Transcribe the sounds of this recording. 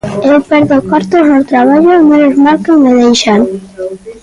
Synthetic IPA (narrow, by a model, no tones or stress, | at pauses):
ewpɛɾðokaɾt̪oznot̪ɾaβ̞aʎomenozmaɾkoŋmeðejʃaŋ